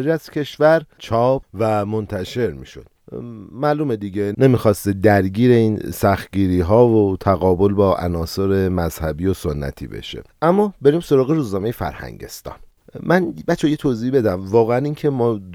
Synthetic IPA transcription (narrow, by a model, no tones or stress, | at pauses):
ɾæscʲʰe̞ʃvæɾt͡ʃʰɒːpvæmo̞nt̪ʰæʃe̞ɾmḭːʃo̞̰d̪̥mæːluːmed̪iɟenemixɒːst̪ed̪æɾɟiːɾe̞iːnsæxt̪̚ɟiːɾiːɦɒːvot̪ʰæɣɒːbo̞lbɒːʔæ̰nɒːsoɾe̞mæz̥hæbiːoso̞nːæ̰t̪ʰḭːbḛʃe̞̰ʔæmːɒːbe̞ɾiːmso̞ɾɒːɣeɾuːznɒːme̞jefæ̰ɾhæ̰ŋɟe̞̰st̪ɒ̰ːn | mʔænbæt͡ʃʰːejet̪ʰoziːbe̞d̪æmvɒːɣeæniːŋcʰe̞mɒː